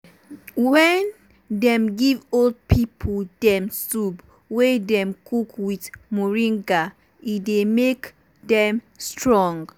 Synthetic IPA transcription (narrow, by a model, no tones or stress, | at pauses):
wɛn | dɛ̃mɡivold̚pʰipʰodɛ̃msub | wedɛ̃mkʰukwitmuɹĩŋɡa | idemek | dɛ̃m | stɹɔ̃ŋɡ